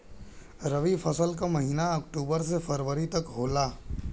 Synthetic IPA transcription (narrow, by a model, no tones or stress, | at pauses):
ɾɐʋifʰɐsəlk̬amɐɦiːnaɐkʈuːbəɾs̬efʰɐɾʋəɾit̪ɐkɦoːlaː